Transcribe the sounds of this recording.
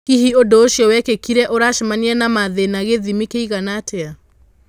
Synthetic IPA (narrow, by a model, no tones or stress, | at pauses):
kiɦiodoːʃjɔwɛkekiɾɛʔoɾaʃimaniɛnamaðenaɣeðimikeiɣanatʰea